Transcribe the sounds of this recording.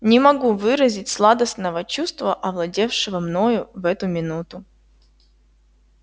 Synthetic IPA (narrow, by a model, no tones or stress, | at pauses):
nʲɪmɐɡuvɨɾəzʲɪtʲslˠad̪əsnəvət͡ɕust̪vəʔɐvlˠɐdʲe̞fʂɨvəmno̞jʊvɛt̪ʊmʲɪnut̪ʊ